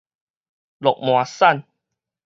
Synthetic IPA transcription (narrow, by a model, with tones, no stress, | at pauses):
lɔ˨k̚mw̃ã˨sa˥˨n